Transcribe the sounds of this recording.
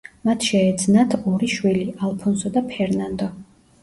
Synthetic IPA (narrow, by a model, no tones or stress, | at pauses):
mat̪ʰʃɛːd̪znat̪ʰɔɾiʃwiliʔalˠpʰɔnsɔd̪apʰɛɾnand̪ɔ